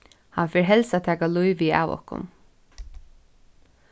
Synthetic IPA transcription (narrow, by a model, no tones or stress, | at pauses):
hɑnfɪɹɦɛlsat̪ʰæːkaluʏʋiːɑ̰ːʋɔ̰hkʊ̰n